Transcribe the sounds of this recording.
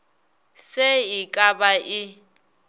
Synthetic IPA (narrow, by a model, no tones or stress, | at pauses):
seɪkʼabaʔɪ